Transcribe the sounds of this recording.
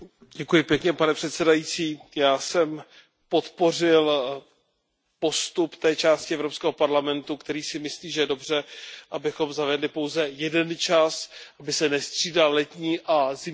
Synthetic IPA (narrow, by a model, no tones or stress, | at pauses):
ɟɛkujɪpjɛkɲɛpanɛpr̥ɛt̪sɛdajit͡siːjaːsɛm | po̞t̪po̞r̝ɪl | po̞st̪upt̪ɛːt͡ʃaːscɪɛvɾo̞pskɛːɦo̞paɾlamɛnt̪ukt̪ɛɾiːsɪmɪsliːʒɛjɛdobr̝ɛʔabɪxo̞mzavɛdlɪpo̞wzɛjɛdɛnt͡ʃasʔabɪsɛnɛst̪r̝̥iːdallɛt̪ɲiːʔazɪ